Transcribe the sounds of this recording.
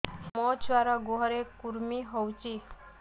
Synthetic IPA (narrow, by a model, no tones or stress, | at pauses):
mɔt͡ʃʋaɾɔɡoɦɾekuɾmiɦɔwt͡ʃi